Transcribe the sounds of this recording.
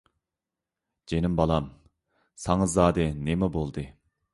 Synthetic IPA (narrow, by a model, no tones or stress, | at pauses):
d͡ʒenɪmbɑlˠɑm | sɑŋɨzːɑːd̪ɨnemɛbolˠd̪ɨ